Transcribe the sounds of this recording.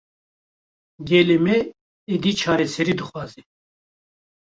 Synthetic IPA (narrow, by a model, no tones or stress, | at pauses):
ɡɛlɛmɛː | d̪it͡ʃʰaɾɛsɛɾid̪uχwazi